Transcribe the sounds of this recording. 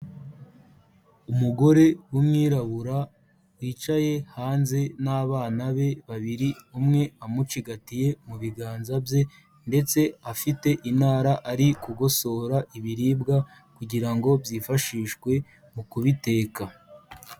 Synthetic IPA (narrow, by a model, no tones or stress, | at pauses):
umuɡo̞ɾe̞wumŋiːɾaβuɾa | wiːt͡ʃaje̞haːnze̞naːβaːnaβe̞βaβiɾiumŋe̞amut͡ʃiɡatije̞muβiɡaːnzabje̞ | nde̞t͡se̞afite̞ʔinaːɾaʔaɾikuɡo̞so̞ɾaʔiβiɾiːbɡa | kuɟiɾaŋɡo̞bjiːfaʃiːʃɡwe̞ | mukuβite̞ːka